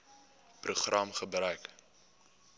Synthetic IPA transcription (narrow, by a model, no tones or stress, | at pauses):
pruχrɐmχəbrœɥk